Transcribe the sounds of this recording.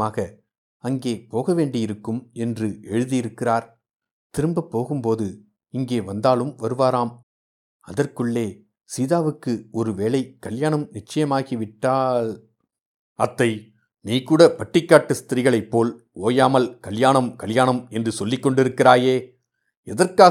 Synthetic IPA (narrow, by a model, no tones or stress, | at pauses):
aːɣɐ | ɐŋɡeːpoːɣɐʋeːɳɖɪjɪɾɯkːɯmɛndrɯʔɛɻɯðɪjɪɾɯkːɪraːɾ | t̪ɪɾɯmbɐpːoːɣɯmpoːðɯ | ɪŋɡeːʋɐnd̪aːlɯmʋɐɾɯʋaːɾaːm | ɐðɐrkɯɭːeː | siːðaːʋɯkːɯɔɾɯʋeːɭɐɪkːɐljaːɳɐmnɪt͡ʃːɐjɐmaːɣiʋɪʈːaːl | ʔɐt̪ːɐɪ | niːkuːɽɐpɐʈːrɪkːaːʈːɯst̪ɪɾɪɣɐɭɐɪpːoːl | oːjaːmɐlkɐljaːɳɐmkɐljaːɳɐmɛndrɯsɔlːɪkːɔɳɖɪɾɯkːɪɾaːjeː | ɛðɐrkaː